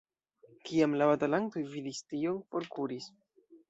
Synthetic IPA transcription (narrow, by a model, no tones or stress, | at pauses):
kiamlaβatalanto̞jvidistio̞npo̞ɾkuɾis